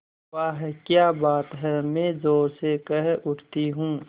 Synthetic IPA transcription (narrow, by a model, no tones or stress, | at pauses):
ʋaːɦɛkjaːbaːt̪ɦɛmẽːzoːɾsekɛɦʊʈt̪iɦũː